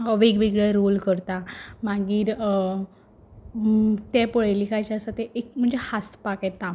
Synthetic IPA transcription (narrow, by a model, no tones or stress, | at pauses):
əʋeɡbeɡɭɛɾolkəɾt̪amaɡiːɾ | t̪ɛ̃pəɭajlikajt͡ɕasat̪ɛekm̤əɳd͡zehaspaket̪ã